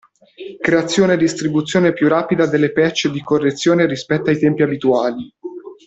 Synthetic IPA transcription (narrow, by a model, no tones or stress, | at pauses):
kɾeat̪sːjoːned̪ːist̪ɾibut̪sːjoːnepjuraːpid̪ad̪elːepɛt͡ʃːed̪ikorːet̪sːjoːneɾispɛt̪ːajt̪ɛmpiabit̪uaːli